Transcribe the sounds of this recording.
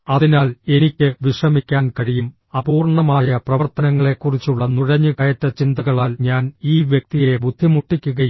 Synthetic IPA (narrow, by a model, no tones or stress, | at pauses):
ɐðinaːle̞nikʲːɨʋiʂrɐmikʲːaːnkɐɻijum | ɐbuːrɳɐmaːjɐprɐʋɐrt̪ɐnɐŋːɐɭe̞kːurit͡ɕːuɭːɐnuɻɐɲːɨkɐjɐtːɐt͡ɕind̪ɐɣɐɭaːlɲaːniːʋjek̚t̪ije̞bʱud̪ʱːimuʈːikʲːuɣɐj